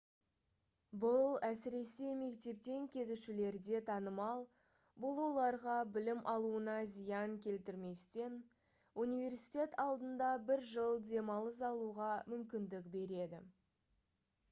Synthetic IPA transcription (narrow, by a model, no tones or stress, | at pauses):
bʊlˠæsɪɾe̞se̞me̞kt̪e̞p̚t̪e̞ŋkʲʰe̞t̪uʃɪle̞ɾd̪e̞t̪ʰɑnəmɑlˠ | bʊlˠwo̞lˠɑɾʁɑbɪlɪmʔɑlˠuənɑzijɑŋkʲʰe̞lt̪ɪɾme̞st̪e̞n | unijve̞rsi̥t̪ʲe̞t̪ɑlˠd̪ənd̪ɑbɪɾʒəlˠd̪e̞mɑlˠəs̬ɑlˠuʁɑmʏmkʲɪnd̪ɪkbe̞ɾe̞d̪ɪ̰